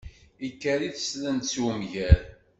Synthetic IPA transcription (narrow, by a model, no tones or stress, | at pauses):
ikːæɾiθə̥slənt̪swəmʝæɾ